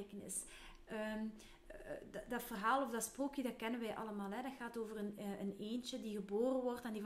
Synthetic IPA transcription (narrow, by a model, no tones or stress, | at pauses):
kənɪ̰s | əm | dɑtfərɦaːlˠɔfdɑtsproːkjədɑt̚kɛnənʋɛjʔɑ̰ləmaːlˠɦɛdɑtxaːtoːvərənəneːnt͡ʃədiɣəboːrənʋɔrtɛndi